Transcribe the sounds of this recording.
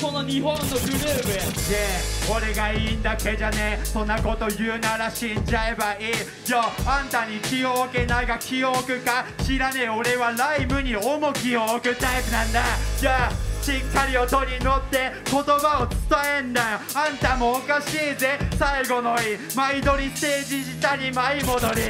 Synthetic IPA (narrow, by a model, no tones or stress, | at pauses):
ko̞noɲiɦõnːoɡɯ̟ɾɯ̟ːmɯjeoɾe̞ɡaiːnd̪ake̞d͡ʑanesõ̞nːako̞t̪o̞jɯ̟ːnaɾaɕĩɲd͡ʑae̞baiː | d͡ʑoãnt̪aɲ̟ikʲioːke̞naiɡakʲiokɯ̟kaɕiɾaneo̞ɾe̞βaɾaimɯ̟ɲ̟iomokʲiokɯ̟t̪aipɯ̟nãnd̪ajaɕĩŋkʰaɾʲio̞t̪o̞ɾʲino̞t̪ːe̞ko̞t̪obaot͡sɨ̥t̪ae̞nd̪aãnt̪amo̞ːkaɕiːze̞saiɡo̞noi | maid̪o̞ɾʲit̪e̞ːd͡ʑiʑit̪aɲimaimo̞d̪o̞ɾʲi